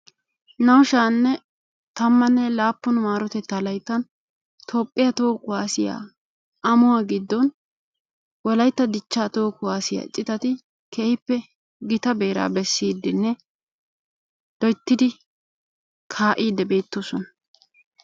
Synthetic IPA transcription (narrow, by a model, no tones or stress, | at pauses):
nɐwʃaːnːɛ | t̪ɐmːɐnːɛlaːpːʊnmaːɾɔt̪ɛt̪ːɐlɐjt̪ːɐn | t̪ʰoːpʼːɪjɐt̪oːkʊwaːsɪja̰ː | ɐmʊwaːɡɪd̪ːɔn | wɔlɐjt̪ːɐd̪ɪt͡ʃːaːt̪oːkʊwaːsɪja̰t͡ʃʼɪt̪ɐt̪ɪ | kʰeːhɪpːɛ | ɡɪt̪ɐbe̞ːɾa̰ːbɛsːiːd̪ːɪnːɛ | d̪̥ɔjt̪ːɪd̪ɪ | kʰaːʔiːd̪ːɛbe̞ːt̪ːosɔnɐ̥